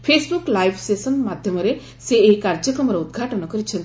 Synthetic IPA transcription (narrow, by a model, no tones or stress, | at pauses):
pʰeːsbuklaːjʋsesənmaːd̪ʱjɐmɐɾe | seːkːaɾd͡ʒəkɐmɾɐud̪̚ɡʱaːʈənɔkəɾit͡ʃʰən